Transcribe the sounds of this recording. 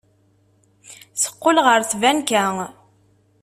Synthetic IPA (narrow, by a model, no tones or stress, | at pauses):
sə̥qːolʁəɾθvænkæ